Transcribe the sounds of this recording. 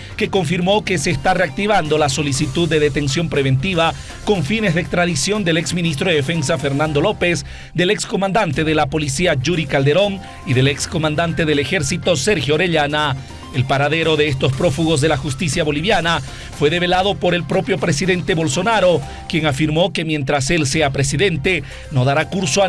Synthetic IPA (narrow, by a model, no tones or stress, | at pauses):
ke̞ko̞ɱfiɾmo̞ke̞seːst̪are̞ak̚t̪iβand̪o̞laso̞lisit̪uðːe̞ðe̞t̪e̞ns̬jo̞mpɾeβe̞nt̪iβa | ko̞ɱfine̞zðekst̪ɾaðisjo̞nd̪e̞le̞ksminis̬t̪ɾoðe̞efe̞nsafe̞ɾnand̪o̞lo̞pe̞s | d̪e̞le̞ksko̞mãnd̪ant̪e̞ðe̞lapo̞lisiad͡ʒuɾikald̪e̞ɾo̞ŋ | iðe̞leksko̞mãnd̪ant̪e̞ðe̞le̞xe̞ɾsit̪o̞se̞ɾxjooɾe̞ʎana | elpaɾaðe̞ɾo̞ðeest̪ospɾo̞fuɣo̞zðe̞laxust̪isjaβo̞liβjana | fwe̞ðe̞βe̞laðo̞po̞ɾe̞lpɾo̞pjo̞pɾesiðe̞nt̪e̞βo̞lso̞naɾo̞ | kjeŋafiɾmo̞ke̞mje̞nt̪ɾase̞lseapɾesiðe̞nt̪e̞ | no̞ðaɾakuɾsoa